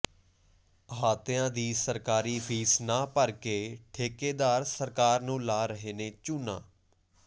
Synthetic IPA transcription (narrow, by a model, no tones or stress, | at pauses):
ɦaːt̪ãːd̪iːsəɾkaːɾiːfʰiːsnaːpəɾkeːʈʰeːkeːd̪aːɾsəɾkaːɾnũːlaːɾəɦeːneːt͡ʃuːnã̰ː